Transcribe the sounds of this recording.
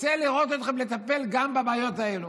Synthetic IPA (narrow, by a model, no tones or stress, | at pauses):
t͡seliʁo̞t̪ot̪χemle̞t̪ape̞lɡambabaːjo̞t̪ae̞lu